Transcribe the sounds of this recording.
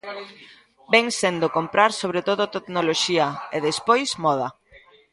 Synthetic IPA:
bɛŋsend̪okompɾaɾsoβ̞ɾet̪oðʊt̪etnoloʃiɐeðespojsmɔð̞ɐ

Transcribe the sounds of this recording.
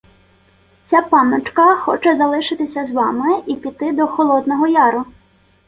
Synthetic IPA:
t͡sʲapɑnɔt͡ʃkɐxɔ̰t͡ʃɛzɐlˠɪʃɪt̪ɪsʲɐzʋɑmɪipʲit̪ɪd̪ɔxɔlˠɔd̪nɔɦɔjɑɾʊ

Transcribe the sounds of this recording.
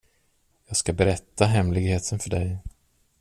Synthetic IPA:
jɑːɡskabɛɾɛt̪ːaɦɛmlɪɡheːt̪ʰənfœɖɛj

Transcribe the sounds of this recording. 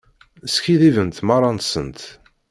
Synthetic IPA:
skiðivənt̪mɑrˤɑnt̪sənt̪

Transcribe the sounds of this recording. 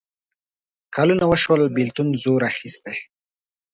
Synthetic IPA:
kʰɑlunawəʃwəlbilt̪unzoɾaxist̪e

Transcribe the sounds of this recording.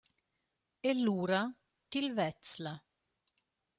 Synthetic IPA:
elːuːɾa | t̪ilvɛt̪sla

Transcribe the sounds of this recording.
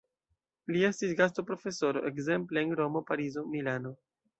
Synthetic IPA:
lie̞stisɡas̬topɾo̞fe̞so̞ɾoʔe̞kze̞mpleːnɾo̞mo̞paɾizo̞milano̞

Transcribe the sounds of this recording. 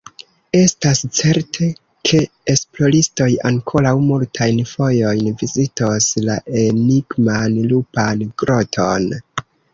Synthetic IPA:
e̞stast͡se̞ɾtʰe̞ | kʰe̞ː | splo̞ɾisto̞jaŋkʰo̞ɾawmultʰajnfo̞jo̞jnvizitoslaʔe̞niɡmanlupanɡ̥ɾʔo̞tʰo̞n

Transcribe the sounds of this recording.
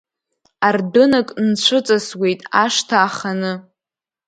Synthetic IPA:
ardɨnakʼnt͡ɕʷʰɨt͡sʼaswe̞jtʼaʂtʰaːχanɨ

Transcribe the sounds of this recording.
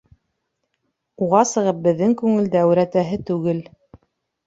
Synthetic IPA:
uʁɑsɤ̆ʁɤp̚bɘ̆ðːɘŋkʉŋɘ̆ld̪ææwɾæt̪æɦɘt̪ʉɡɘl

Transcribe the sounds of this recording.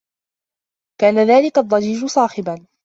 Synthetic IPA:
kaːnaðaːlɪkaʔd̪ˤːɑd͡ʒiːd͡ʒʊsˤɑːħɪban

